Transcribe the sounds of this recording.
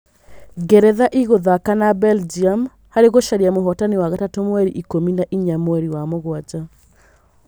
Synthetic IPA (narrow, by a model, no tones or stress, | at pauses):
ɡɛɾɛðaʔiɣoðakanabɛld͡ʒiam | haɾeɣoʃaɾiamoɦɔtaniwaɣatatomwɛɾiʔikominaʔiɲamwɛɾiwamoɣwad͡ʒa